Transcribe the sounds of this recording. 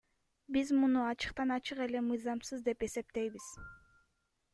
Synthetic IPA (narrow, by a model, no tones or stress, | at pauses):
bizmunuɑt͡ʃɯ̥qt̪ɑnɑt͡ʃɯqe̞le̞mɯjzɑmsɯzd̪e̞pe̞se̞p̚t̪e̞jβiz̥